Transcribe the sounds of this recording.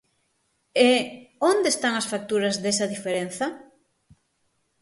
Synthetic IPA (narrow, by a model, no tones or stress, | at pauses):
eond̪est̪aŋɐsfak̚t̪uɾɐzðesɐðifeɾen̟θɐ